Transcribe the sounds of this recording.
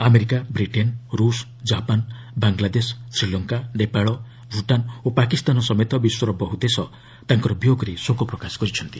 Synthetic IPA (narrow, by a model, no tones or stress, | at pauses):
ameɾikabɾiʈenɾus | d͡ʒapan | baŋɡlad̪essɾilɔŋkanepaɭɔ | bʱuʈanopakist̪anɔsɔmet̪ɔbiswɔɾɔbɔɦud̪esɔ | t̪aŋkɔɾɔbjoɡɔɾisokɔpɾɔkasɔ̥kɔɾit͡ʃʰɔnt̪i